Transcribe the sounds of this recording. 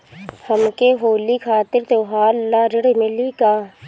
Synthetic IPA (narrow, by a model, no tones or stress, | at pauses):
həmkeɦoːliːkʰaːt̪ɪɾt̪oːɦaːlːaːɾɪɽmɪliːkaː